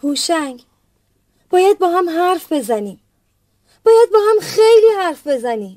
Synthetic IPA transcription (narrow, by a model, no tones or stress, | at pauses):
huːʃæŋɡ | b̥ɒːjæd̪̚bɒːɦæmɦæɾfbe̞zæniːm | b̥ɒːjæd̪̚bɒːhæmxejliːhæɾfbe̞zæniːm